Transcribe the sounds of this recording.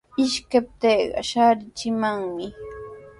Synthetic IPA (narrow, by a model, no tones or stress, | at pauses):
ɪʃkap̚t̪eːɢɑ̰ʃaːɾɪt͡ʃɪmaŋmɪ